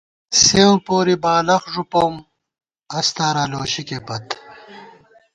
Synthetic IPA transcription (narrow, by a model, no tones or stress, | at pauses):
sẽːpoːɾibaːlɐxʐupoːm | ɐst̪aːɾaːloːɕikepɐt̪